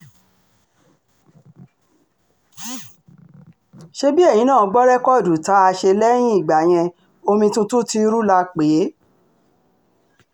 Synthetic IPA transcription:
ʃe˧bi˦e˦˨jĩ˨˦nãː˦˨˧ɡ͡bɔ˦ɾɛ˦kɔ˦˨du˨ta˨˦a˧ʃe˧lɛ˦j̃ĩ˦i˦˨ɡ͡ba˨j̃ɛ̃˧ | o˧mĩ˧tũ˧tu˦ti˧ɾu˦la˧k͡pe˨˦

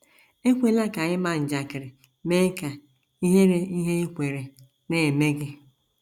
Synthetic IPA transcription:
e˦kʷe˦la˦ka˨ɲɪ˦ma˨n̩˨d͡ʒa˨kɪ˨ɾɪ˨ | meː˦ka˨ | i˦ɦe˦ɾe˦i˦ɦe˦e˦kʷe˨ɾe˨ | ne˦˨e˨me˦ɡɪ˦

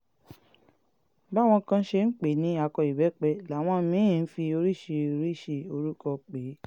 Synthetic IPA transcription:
ba˦˨w̃ɔ̃˧kã˧˦ʃe˧n̩˦k͡pe˨˦nĩ˨˦a˧kɔ˧i˨bɛ˨˦k͡pɛ˧la˨˦˨w̃ɔ̃˧mĩ˨˦˨n̩˦fi˧o˧ɾi˦˨ʃe˧o˧ɾi˦˨ʃe˧o˧ɾu˦kɔ˧˨k͡pe˨˦

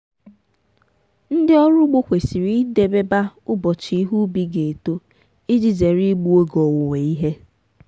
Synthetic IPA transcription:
n̩˦dɪ˦ɔ˦ɾʊ˦ɡ͡bo˦kʷe˨si˨ɾi˦de˨be˦ba˦ʊ˦bɔ˨t͡ʃi˨˦i˦ɦu˦bi˦ɡe˨to˦ | i˦d͡ʒi˨ze˨ɾi˦ɡ͡bu˦o˦ɡɔ˨wʊ˨we˨i˦ɦe˦

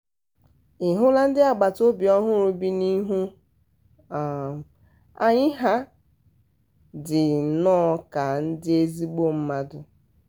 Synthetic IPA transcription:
ɪ˨ɦʊ˦la˦n̩˦dɪ˦a˨ɡ͡ba˨to˦bi˨ɔ˦ɦʊ˦ɾʊ˦bi˦ni˦ɦu˦ | a˨ | a˦ɲɪ˦ɦa˦ | dɪ˨nɔː˦ka˨n̩˦dɪ˦e˦zi˦ɡ͡bo˦m̩˦ma˦dʊ˨

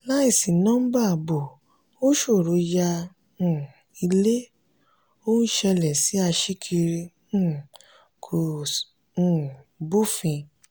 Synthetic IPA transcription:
la˦i˦˨si˨nã˦ba˦˨bo˨ | o˦ʃo˦˨ɾo˨˧˦jã˧˨ | i˧le˦ | o˦nũ˦ʃɛ˧lɛ˨si˨˦a˧ʃi˦kʰi˧ɾĩ˧˦˨ | kʰõ˨˦˨ | bo˦˨fĩ˧

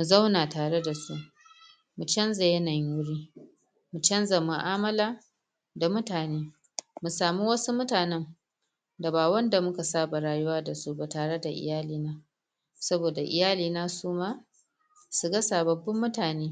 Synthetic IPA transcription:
mu˨zɐ˦wnaː˨taː˨ɽe˦da˨su˦ʔ | mu˨t͡ʃɐ˦nza˨jɐ˦na˨jwʊ˦ɽiː˦ | mu˨t͡ʃɐ˦nza˨mʊ˨ʔaː˦mɐ˦laː˦ | da˨mʊ˦taː˨neː˦ | mu˨saː˨mi˦wɐ˦su˦mʊ˦taː˨nɛ˦m | da˨baː˨wɐ˦nda˨mʊ˦ka˨saː˦ba˨ɾaː˨jʊ˦waː˦da˨su˦ba˨taː˨ɽe˦da˨ʔɪ̰˨jaː˦liː˦naː˦ | sɐ˦boː˨da˨ʔɪ̰˨jaː˦liː˨naː˦suː˦maː˦ | su˨ɡɐ˦saː˨bɐ˨bːɐ˦mːʊ˦taː˨neː˦

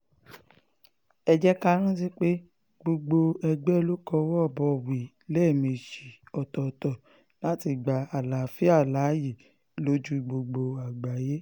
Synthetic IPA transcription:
ɛ˧d͡ʒɛ˦ka˦ɾ̃ĩ˦t̬i˦k͡pe˦ | ɡ͡bo˧ɡ͡bo˧ɛ˧ɡ͡bɛ˦lo˦kɔ˧˦wɔ˦˨bɔ˧˦˨wi˨ | lɛ˦˨mĩ˧˨ʃi˨ɔ˨tɔ˨tɔ˨ | la˦ti˧ɡ͡ba˨a˨la˨fi˦a˦˨la˨˦ji˦˨ | lo˦d͡ʒu˦ɡ͡bo˧ɡ͡bo˧a˨ɡ͡ba˨je˦

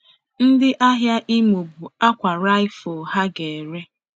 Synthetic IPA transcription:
n̩˦dɪ˦ʔa˦ɦja˦ʔi˦mo˨bu˨a˦kʷa˨ɾa˦ɪ˦fo˨ɦa˦ɡe˨ɾe˦

